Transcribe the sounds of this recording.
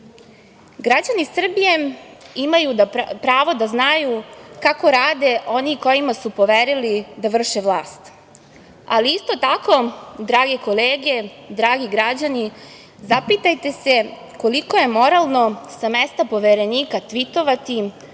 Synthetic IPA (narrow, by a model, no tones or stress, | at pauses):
ɡɾad͡ʑanisr̩bije̞imajud̪apɾaːʋo̞d̪aznajukako̞ɾaːd̪e̞ʔo̞niko̞jimasupo̞ʋeɾilid̪aʋr̩ʃe̞ʋlˠaːst̪ | a̰liist̪o̞t̪ako̞d̪ɾaːɡeko̞leːɡe̞ | d̪ɾaːɡiɡɾad͡ʑani | zapit̪ajt̪e̞se̞ | ko̞liko̞je̞mo̞ɾalˠno̞samest̪apo̞ʋeɾe̞niːkat̪ʋit̪o̞ʋat̪i